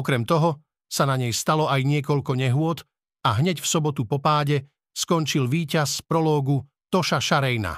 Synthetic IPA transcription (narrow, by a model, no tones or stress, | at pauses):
ɔkɾɛmt̪ɔɦɔ | sanaɲɛjst̪alɔajɲɪɛkɔʎkɔɲɛɦʊɔt̪ | aɦɲɛcfsɔbɔt̪upɔpaːɟɛ | skɔnt͡ʃilʋiːcaspɾɔlɔːɡu | t̪ɔʃaʃaɾɛjna̰